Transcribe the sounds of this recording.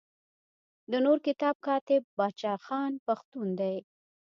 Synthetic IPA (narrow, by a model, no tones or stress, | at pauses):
d̪ənoɾkɪt̪ɑb̚kɑt̪ɪbːɑt͡ʃɑxɑnpaxt̪und̪aj